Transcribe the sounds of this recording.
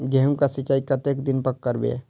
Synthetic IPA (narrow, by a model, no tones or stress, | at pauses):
ɡɛɦəmkasɪt͡ʃːaːikɐt̪eːkd̪ɪnpəkːəɾbḛ